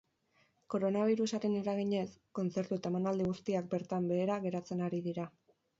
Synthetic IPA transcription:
ko̞ɾo̞naβ̞iɾusaɾe̞neɾaɣ̞iɲe̞sko̞nt͡se̞ɾt̪uet̪ae̞manald̪iɣ̞ust̪iak̚be̞ɾt̪ambe̞ːɾaɣe̞ɾat͡se̞naɾiðiɾa

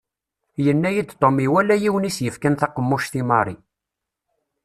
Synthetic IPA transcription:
jənːæjid̪t̪ˤːomiwælːæjiwənisjəfkænθɑqːəmːuʃθimɑɾˤi

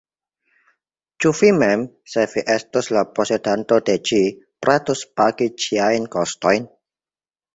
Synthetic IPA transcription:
t͡ʃufimɛm | sɛfiʔɛst̪uslaposedant̪oded͡ʒipɾat̪uspaɡit͡ʃiajnkɔstɔjn

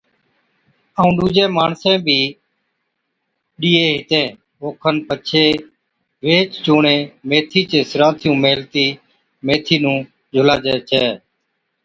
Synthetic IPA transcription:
əũːɗuːd͡ʒẽːmaːɳsẽːbʱiː | ɗiːeːɦɪt̪ẽː | oːkʰənpət͡ʃʰeː | ʋeːt͡ʃt͡ʃoːɳẽːmeːt̪ʰiːt͡ʃeːsɪɾãːt̪ʰɪjũːmeːlt̪iː | meːt̪ʰiːnũː | d͡ʒʱʊlaːd͡ʒɛːt͡ʃɛː

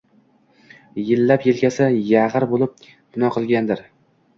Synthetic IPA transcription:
jɪlːapjelkʲʰasɪjaʁɨɾbolˠɪp̚ | d̪ʊnɒqʰɨlˠɡʲand̪ɪɾ

